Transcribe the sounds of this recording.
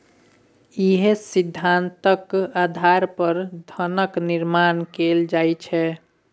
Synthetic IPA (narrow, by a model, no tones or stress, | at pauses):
iɦesid̪ʱːant̪əkad̪ʱaɾpəɾd̪ʱənəkniɾmankeld͡ʒajt͡ʃʰɛ